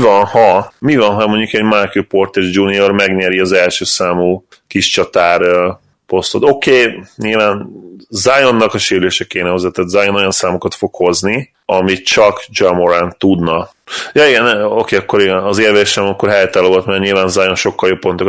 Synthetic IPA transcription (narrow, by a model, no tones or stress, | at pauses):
vɒnhɒmivɒnɦɒmo̞ɲɟukɛɟmarkuport̪ɛʒd͡ʒuːnio̞rmɛɡɲɛɾiɒzɛlʃøːsaːmuː | kiʃt͡ʃɒt̪aːɾ | po̞st̪o̞t̪o̞keːɲilvaːnzajo̞nːɒkɒʃeːɾleːʃɛkeːnɛɦozɛt̪ːɛt̪zajono̞jɒnsaːmokɒt̪fo̞kho̞zni | ɒmit͡ʃɒkd͡ʒɒmoɾant̪ːud̪nɒ | jɒːiɡɛno̞keːɒkːoɾiɡɛnɒzeːrveːʃɛmɒkːo̞rɦɛjt̪ɛlːoot̪mɛrɲilvaːnzajonʃo̞kːɒljo̞pːo̞nt̪ok